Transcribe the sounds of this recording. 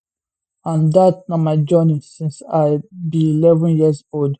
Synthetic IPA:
ãndat̚namaɪd͡ʒɔnisĩnsaɪbiilɛvə̃njizold

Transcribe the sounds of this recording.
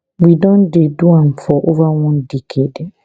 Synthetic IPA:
widɔ̃ndeduãnfɔʔovawɔ̃ndɛkʰed

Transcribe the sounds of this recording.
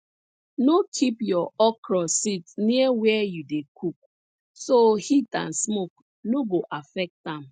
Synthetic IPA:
nokʰipjɔɔkɹɔsitniɛwɛɛjudekʰuk̚ | sohitã̰nsmok | noɡoʔafɛk̚tãm̩

